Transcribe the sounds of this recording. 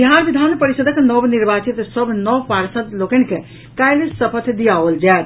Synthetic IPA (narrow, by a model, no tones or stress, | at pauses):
biɦaɾbid̪ʱanpəɾisəd̪ʱəknɔbniɾbat͡ʃit̪səbʱnɔʋpaɾsət̪lokənke | kajlesəpʰət̪ʰd̪ijaʋəld͡ʒaet̪̚